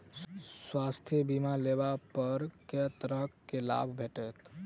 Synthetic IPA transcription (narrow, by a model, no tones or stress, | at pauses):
swast̪ʰjəbimalebapəɾket̪ɾəɦkkːela̰bʱbʱeʈɛt̪